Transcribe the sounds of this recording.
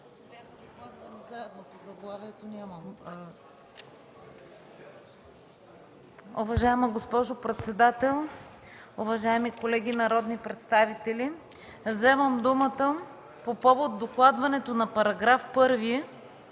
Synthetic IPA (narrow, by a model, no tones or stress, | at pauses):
ad̪okˠad̪vɐnɛzaɛd̪nopozɐɡlˠaviɛt̪onʲaməm | uvɐʒaɛmɐɡospɔʒopɾɛt̪sɛd̪at̪ɛlˠ | ʊvɐʒaɛmikolɛɡ̟inɐɾɔd̪nipɾɛt̪st̪avit̪ɛli | zɛvəmd̪umət̪ə | popɔvot̪̚ːoklˠad̪vɐnɛt̪onɐpɐɾɐɡɾafpɤɾviɛ